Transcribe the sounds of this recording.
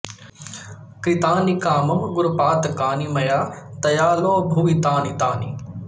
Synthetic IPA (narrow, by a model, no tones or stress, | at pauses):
kit̪aːnikaːmɐmɡʊɾpaːt̪kaːnimɐjaːt̪ɐjaːloːbʱuːʋit̪aːnit̪aːnḭ